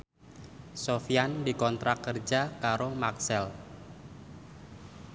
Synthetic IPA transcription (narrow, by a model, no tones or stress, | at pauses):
sofiandikɔnt̪ɾʔakərd͡ʒakaɾomaksɛl